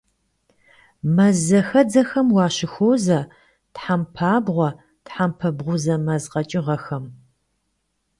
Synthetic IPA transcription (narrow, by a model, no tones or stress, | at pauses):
mɐzɐxɐd͡zɐxɐmwɑːɕɪxoːzɐ | tħampʰaːbʁʷɔ | tħampʰɐbʁʷʊzɐmɐzqɐt͡ʃʼɪʁɐxɐm